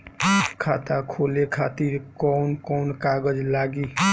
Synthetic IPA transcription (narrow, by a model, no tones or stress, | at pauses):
kʰat̪akʰolekʰat̪iɾkɔwnkɔwnkaɡəd͡ʒlaɡi